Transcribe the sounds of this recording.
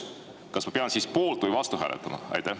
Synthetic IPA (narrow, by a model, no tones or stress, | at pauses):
kɑsmɑpeɑnsiːspoːlt̪ˑvɨjvɑst̪uɦæ̰ːlʔɛ̰t̪ːˑɑmɑ̰ɑ̰jt̪æ